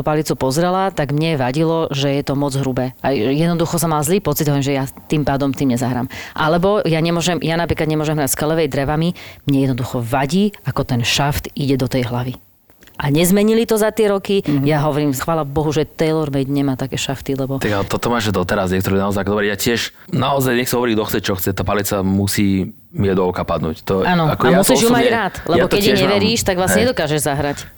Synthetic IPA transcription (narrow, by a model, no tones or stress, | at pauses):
ɔpalit͡supɔzɾɛlat̪aɡmɲɛʋaɟilɔʒɛjɛt̪ɔmɔd͡zɦɾubɛːajjɛd̪nɔd̪uxɔsɔmalzliːpɔt͡sid̪ɦɔʋɾimʒɛjat̪impaːd̪ɔmt̪iːmɲɛzaɦɾa̰ːmʔalɛbɔjaɲɛmʊɔʒɛmjanapɾiklad̪ɲɛmʊɔʒɛmɦɾacskalɛʋɛjd̪ɾɛʋamimɲɛjɛd̪nɔd̪uxɔʋaɟiːakɔt̪ɛnʃaft̪iɟɛd̪ɔt̪ɛjɦlaʋi | ʔaɲɛzmɛɲilit̪ɔzat̪ɪɛɾɔkijaɦɔʋɔɾiːmxʋaːlabɔɦuʒɛt̪ɛjlɔɾmɛɟɲɛmaːt̪akɛːʃaft̪ilɛbɔt̪aɡalɛt̪ɔt̪ɔmaːʒd̪ɔt̪ɛɾazɲɛkt̪ɔɾiɛnaɔzajakd̪ɔbɾɛjjacɪɛʃnaɔzajɲɛxsiɦɔʋɔɾiːd̪ɔxt͡sɛc̚t͡ʃɔxt͡sɛt̪aːpalit͡samusiː | miɛd̪ɔkapad̪nṵːct̪ɔʔaːnɔakausiːʒumaɟɾaːt̪lɛbɔkɛiɲɛʋɛɾiːʃt̪aɡʋlasɲɛɲɛd̪ɔkaːʒɛʒzaɦɾac